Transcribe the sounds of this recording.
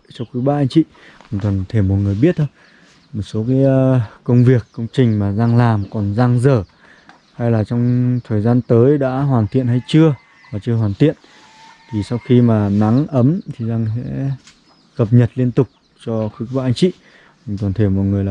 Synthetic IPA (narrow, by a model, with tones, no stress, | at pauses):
t͡ɕɔ˧wxɨ˨˦ɓa̰˧ʔa˧ŋ̟t͡ɕḭ˧˨˩ | t̪kɔ˨˩nt̪ʰe˧˩mo˨˩t̚ŋɨ˨˩əjɓi˦˥ət̚t̪ʰə˧ | mo˨˩t̚so˨˦kaː˨˦jːə˧wŋ͡mvi˨˩əkːə˧wŋ͡mt͡ɕï˨˩ŋ̟maː˨˩zaː˧ŋlaː˨˩mkɔ˨˩nzaː˧ŋzəː˧˩ | ha˧jlaː˨˩t͡ɕɔ˧wŋ͡mt̪ʰəː˨˩jzaː˧nt̪əː˨˦jɗa̰ː˧˥ɦwaː˨˩nt̪ḭ˧˨ənha˧jt͡ɕɨ˧ə | vaː˨˩t͡ɕɨ˧əɦwaː˨˩nt̪ḭ˧˨ən | t̪ʰi˨˩sa˧wxi˧maː˨˩na˨˦ŋʔə˨˦mt̪ʰi˨˩zaː˧ŋsɛ̰˧˥ | kə˨˩p̚ɲə˨˩t̚li˧ənt̪ʊ˨˩k͡p̚ | t͡ɕɔ˧xɨ˨˦˥kɓa̰ː˧˨ʔa˧ŋ̟t͡ɕḭ˧˨˩ | ŋt̪ɔ˨˩nt̪ʰe˧˩mɔ̰˨˩ŋɨ˨˩əjla˨